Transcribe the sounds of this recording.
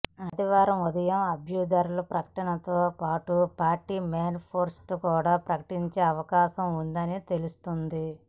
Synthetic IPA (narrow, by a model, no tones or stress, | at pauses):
ɐd̪iʋaːɾɐmud̪ɐjɐmɐbʱjud̪ɐːɾulupɾɐkɐ̥ʈɐnɐt̪oːpaːʈupaːɾʈiːmeːnpʰoːɾsʈukuːɽaːpɾɐkɐ̥ʈiɲt͡ʃeːɐʋɐkaːʃɐmund̪ɐnit̪e̞lust̪und̪i